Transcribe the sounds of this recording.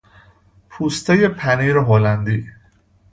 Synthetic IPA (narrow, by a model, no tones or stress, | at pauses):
pʰuːst̪ejepʰæniɾɔɦoland̪iː